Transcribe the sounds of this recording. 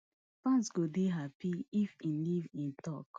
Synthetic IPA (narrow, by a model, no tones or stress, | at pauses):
tɔ̃nsɡodeɦapiifĩnlivĩntɔk